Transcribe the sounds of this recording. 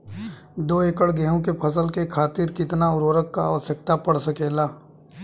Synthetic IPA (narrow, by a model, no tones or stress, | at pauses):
d̪oːeːkəɽɡɛɦõkepʰɐs̬əlkekʰaːt̪ɪɾkɪt̪naʊɾʋəɾəkːaaːʋəsjək̚t̪apɐɽsəkeːlaː